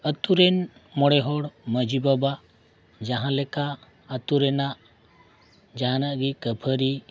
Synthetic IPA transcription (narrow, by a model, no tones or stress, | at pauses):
ət̪uɾen | mɔɽeɦɔɽməd͡ʒibaba | d͡ʒaɦãleka | ət̪uɾenaʔ | d͡ʒanəʔɡikəpʰəɾi